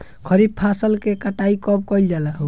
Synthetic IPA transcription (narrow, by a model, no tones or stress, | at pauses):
kʰəɾib̪̚pʰasəlkekaʈaikɔb̚kɔjld͡ʒalaɦo